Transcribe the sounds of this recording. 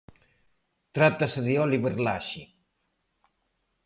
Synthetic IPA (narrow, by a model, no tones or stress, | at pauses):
t̪ɾat̪asəðiɔliβeɾla̰ʃi